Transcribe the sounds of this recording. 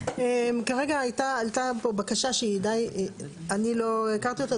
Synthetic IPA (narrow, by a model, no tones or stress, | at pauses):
emkaʁeɡaajt̪aːlt̪apobakaʃaʃeid̪ajanilo̞ekaʁt̪io̞t̪a